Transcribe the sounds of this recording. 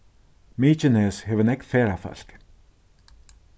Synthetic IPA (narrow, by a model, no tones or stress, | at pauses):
miːt͡ʃɪnɛːshɛvɪnɛknfɛːɾafœ̰l̥k